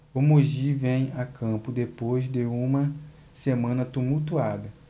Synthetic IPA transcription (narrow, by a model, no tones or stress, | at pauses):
ʊmoʒivẽj̃akʰɐ̃pʊd̪epojzd̪ɪũmɐ | semɐ̃nɐt̪umuwt̪uad̪ɐ